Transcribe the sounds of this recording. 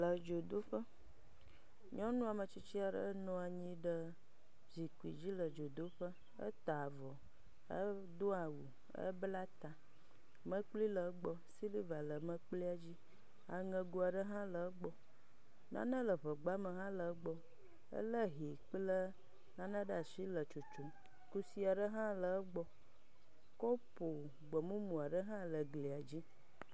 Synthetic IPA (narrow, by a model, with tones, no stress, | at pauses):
lə˨d͡ʒo˨d̪o˦ɸə˦ | ɲɔ̃˦nũ˦a˨mə˨t͡ɕi˦t͡ɕi˦a˨ɖə̰˦ə˦nɔ̃˦a˨ɲĩ˦ɖə˦ | vi˨ku˨ḭ˨d͡ʑi˦lə˨d͡ʒo˨d̪o˦ɸə˦ | ə̰˦t̪a˨vɔ˨ | ə̰˦ | d̪o˦a˨wu˨ | ə̰˦bla˦t̪a˨ | mə̃˦k͡pli˦lə˨˦ɡ͡bɔ˦si˦li˦va˨lə˨mə̃˦k͡pli˦a˨d͡ʑi˦ | a˨ŋə̃˨ɡo˦a˨ɖə˦ɦã˦lə˨˦ɡ͡bɔ˨ | nã̰˦nə̃˦lə˨ɸə˨ɡ͡ba˦mə˨ɦã˦lə˨˦ɡ͡bɔ˦ | ə̰˦lə˦ɦi˨k͡plə˦ | nã˦nã˦ɖa˨si˦lə˨t͡ʃo˨t͡ʃo˨m | ku˦si˦a˨ɖə˦ɦã˦lə˨˦ɡ͡bɔ˨ | ko˦po˨ | ɡ͡bɔ˨mũ˦mũ˨a˨ɖə˦ɦã˦lə˨ɡli˨a˨d͡ʑi˦